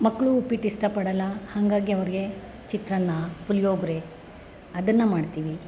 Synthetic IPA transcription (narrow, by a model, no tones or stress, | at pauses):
mɐkːɭuːpiʈisʈɐpɐɽɐlːɐhɐŋɡaːɡiɐʋɐɾiɡe̞ | t͡ʃit̪ɾɐnːɐpuljoːɡɾe | ɐd̪ɐnːɐmaːɖt̪iːʋi